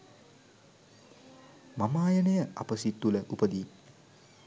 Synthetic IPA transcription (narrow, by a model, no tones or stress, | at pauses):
mamaːjɐnejəa̰pəsit̪ːuləʔupəd̪i